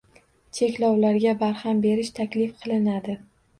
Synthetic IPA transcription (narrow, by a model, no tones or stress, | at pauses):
t͡ʃʰe̞kʲlɒwlaɾɡʲabaɾhambe̞ɾɪʃt̪ʰakʲlɪfqʰɨlˠɪnad̪ɪ